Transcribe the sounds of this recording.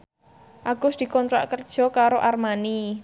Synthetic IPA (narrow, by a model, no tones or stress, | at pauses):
ʔaɡ̥ʊsd̪̥i̤kɔnt̪ɾaʔkərd̥ʒ̥ɔ̤kaɾoʔarmani